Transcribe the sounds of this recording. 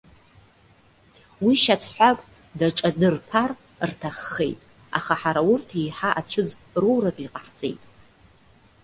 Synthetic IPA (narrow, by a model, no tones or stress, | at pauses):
wiʃat͡sʰħʷakʼ | daʈ͡ʂʼadɨrpʰar | rtʰaχːe̞̰jtʼ | a̰χaħaɾaʊrtʰijħaʔat͡ɕʷʰʊd͡z | ruwrakʼiqʼaħt͡sʼe̞̰jtʼ